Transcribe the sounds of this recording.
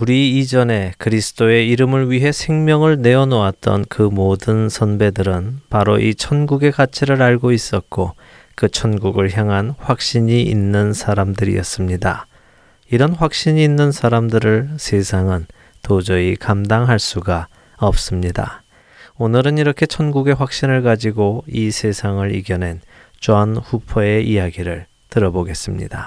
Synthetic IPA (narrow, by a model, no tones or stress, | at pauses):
uɾiːd͡ʑʌne̞kɯɾisʰɯ̥t͈oe̞iɾɯmɯɭɥiɦe̞sʰe̞ŋmjʌŋɯɭne̞ʌnoat̚t͈ʌ̰nkɯmodɯnsʰʌnbe̞dɯɾɯnpaɾoʔit͡ɕʰʌnɡuɡe̞kat͡ɕʰiɾɯɾaɭɡois͈ʌt̚k͈o | kɯt͡ɕʰʌnɡuɡɯɭçjaŋɦanɸwak̚ɕ͈iɲiḭnːɯnsʰaɾamdɯɾḭʌ̰s͈ɯmɲida̰ | iɾʌnɸwak̚ɕ͈iɲiːnːɯnsʰaɾamdɯɾɯɭsʰe̞sʰaŋɯn | tod͡ʑʌikamdaŋɦaɭs͈uɡa | ʌp̚s͈ɯmɲida̰ | onɯɾɯniɾʌkʰe̞t͡ɕʰʌnɡuɡe̞ɸwak̚ɕ͈inɯɭkad͡ʑiɡoisʰe̞sʰaŋɯɾḭɡjʌnɦe̞n | t͡ɕanɸupʰʌe̞ʔijaɡiɾɯɭ | tɯɾʌboɡe̞s͈ɯmɲḭda